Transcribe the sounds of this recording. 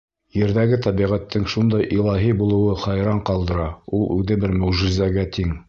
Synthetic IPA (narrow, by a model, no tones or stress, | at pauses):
jɘ̆ɾðæɡɘt̪æβiʁæt̪ːɘŋʃund̪ɑjʔilˠɑɦibulˠɤ̆wɤχɑjɾɑɴqɑlˠd̪ɤ̆ɾɑulˠʉðɘbɘɾmɵ̆wʒɘ̆zæɡæt̪ʰiŋ